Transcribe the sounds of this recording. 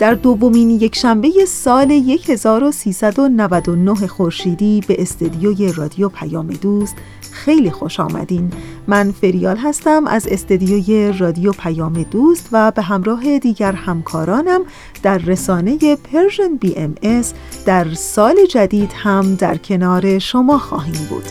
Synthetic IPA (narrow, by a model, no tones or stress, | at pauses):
d̪̥æɾd̪o̞vːo̞miːnje̞cʰʃæmbe̞je̞sɒːle̞je̞cʰhe̞zɒːɾo̞siːsæd̪o̞nævæd̪o̞noɦexoɾʃiːd̪iːbe̞ʔːst̪ed̪ijoːje̞rɒːd̪ijopʰæjɒːme̞d̪uːst̪ | xe̞jliːxo̞ʃɒ̰ːmæ̰d̪iːnmænfe̞ɾijɒːlɦæst̪æmʔæ̰zest̪ed̪ijoje̞rɒːd̪ijopʰæjɒːme̞d̪̥uːst̪væbe̞ɦæmɾɒːɦe̞d̪iːɟæɾhæmkʰɒːɾɒːnæm | d̪̥æɾːesɒːne̞je̞pʰeɾʒenbiːʔemesd̪̥æɾsɒːle̞d͡ʒæd̪iːd̪̥hæmd̪æ̰ɾcʰe̞nɒːɾe̞ʃo̞mɒːxɒ̰ːɦiːmbṵːd̪̥